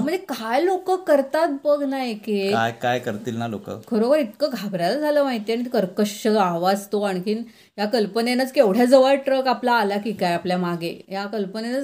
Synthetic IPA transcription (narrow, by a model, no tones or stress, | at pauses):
m̤əɳekajlokəːkəɾt̪at̪̚bəɡʱnajkea̰jkajkəɾt̪iːlnalo̰kə̰kʰəɾoʋəɾit̪kəɡʱabɾjalad͡zʱaləːmaɦit̪eaɽ̃it̪kəɾkəɕəaʋad͡zt̪oaɽikiːn | jakəlpənenat͡skeʋɽ̤jad͡zəʋəɾʈɾəkaplaːlakikajapljamaɡejakəlpənenat͡s